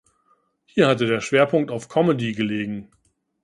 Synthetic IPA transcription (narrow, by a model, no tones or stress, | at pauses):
hiːɐhatədeːɐʃv̥eːɐpʰʊŋk̚taʊfkʰɔmədiɡəleːɡŋ̩